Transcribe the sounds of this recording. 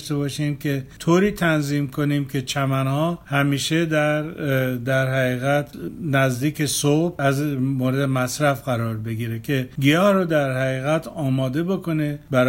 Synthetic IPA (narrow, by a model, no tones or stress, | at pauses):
ʃt̪e̞bɒːʃiːmkʰʲe̞t̪ʰoːɾiːt̪ʰænziːmkʰoniːmkʲʰe̞t͡ʃʰæmænhɒːhæmiːʃe̞d̪æɾd̪æɾɦæɣiːɣæt̪ʰnæzd̪iːkʰesob̚æzmoːɾed̪emæsɾæfɡæɾɒːɾbe̞ɡiːɾe̞kʰe̞ɡijɒːhɾod̪æɾhæɣiːɣæt̪ʰɒːmɒːd̪e̞boko̞ne̞bæɾ